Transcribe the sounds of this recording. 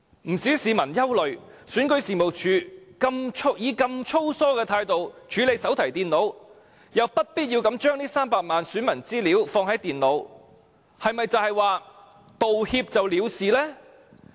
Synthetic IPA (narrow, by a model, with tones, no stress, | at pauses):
m̩˨˩siː˨˥siː˨˧mɐ˨˩njɐ˥wlɵ˨ɥsyː˨˥nkɵ˨˥ɥsiː˨mo˨wt͡ʃʰyː˨˧kɐ˧mt͡ʃʰo˥jiː˨˧kɐ˧mt͡ʃʰo˥wsɔː˥kɛː˧t̪ʰaː˧jt̪o˨wt͡ʃʰyː˨˥le˨˧jsɐ˨˥wt̪ʰɐ˨˩jt̪iː˨nlo˨˧w | jɐ˨wpɐ˥t̚piː˥t̚ji˧wkɐ˨˧˥mt͡ʃœː˥ŋniː˥saː˥mpaː˨˧k̚maː˨nsyː˨˥nmɐ˨˩nt͡siː˥liː˨˥wfɔː˧ŋhɐ˨˥jt̪iː˨nlo˨˧w | hɐ˨jmɐ˨jt͡sɐ˨˧whɐ˨jwaː˨ | t̪o˨whiː˧p̚t͡sɐ˨wliː˨˧wsiː˨lɛː˥